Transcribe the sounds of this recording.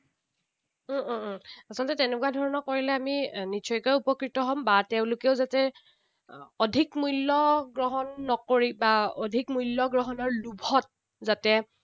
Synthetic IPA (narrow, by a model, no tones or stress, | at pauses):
asɔltɛtenɛkuwadʱɔɹɔnɔkoɹilɛaminit͡ʃʰɔjkɔjupɔkɹitɔɦɔmbatɛʊ̃lʊkeʊzatɛ | odʱikmujlːɔɡɹɔɦɔnːɔkoɹibaodʱikmujlːɔɡɹɔɦɔnɔɹlubʱɔt̚ | zatɛ